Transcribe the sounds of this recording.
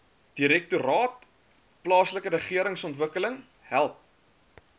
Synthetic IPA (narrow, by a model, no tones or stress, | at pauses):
d̥iɾɛk̚tuɾɑːt̚ | plɑːsləkəɾəχiəɾəŋsɔntvəkələŋ | ɦælˠp̚